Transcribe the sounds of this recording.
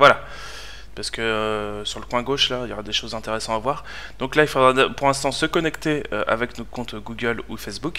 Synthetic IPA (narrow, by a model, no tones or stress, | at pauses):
vwala | paʁsə̥kəøsyʁləkwɛ̃ɡoʃlailjɔʁad̪eʃozɛ̃t̪eʁesɑ̃avwaːʁ | d̪ɔ̃klailfod̪ʁapuʁlɛ̃st̪ɑ̃səkɔnɛkt̪eø̰ʔa̰vɛknokɔ̃t̪ɡuɡʲœlufɛsbuk